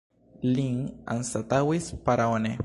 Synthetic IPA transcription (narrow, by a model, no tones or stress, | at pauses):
liŋa̰nsat̪awispaɾaone